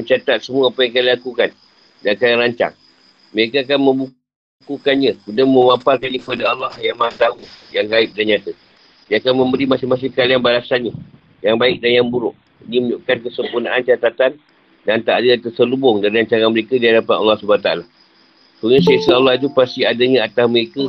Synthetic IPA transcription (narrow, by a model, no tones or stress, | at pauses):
məɲt͡ʃat̪at̪̚səmuaːpəjaŋkanilakukan | dakajaɾaɲt͡ʃa̰ŋ | məɾekaak̬anmə̃mbu | kukanɲãkundamə̃maparkanikəpadaɑlːɑhjaʔmaat̪aujaŋaɪp̚danɲat̪ə | diəakanmə̃mbəɾimãsɪhmas̬ɪhkalianbalasanɲa | jaŋbaɪk̚danjaŋbuɾʊʔ | niməɲuʔkankəsəmpunaʔant͡ʃat̪at̪an | dant̪aʔadəat̪ərsəlubʊŋdaɾiɾaɲt͡ʃaŋanməɾekadiɦadapanɑ̰lːɑhsəbant̪aa̰la | suɲãsasaːlːɑht̪upast̪iadəɲãat̪asməɾekə